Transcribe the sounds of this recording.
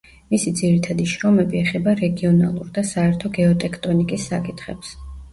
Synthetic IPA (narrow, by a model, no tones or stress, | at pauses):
misid̪ziɾit̪ʰad̪iʃɾɔmɛbiɛχɛbaɾɛɡiɔna̰lˠṵɾd̪asaɛɾt̪ʰɔɡɛɔt̪ʼɛkʰt̪ʼɔnikʼisːakʼit̪ʰχɛps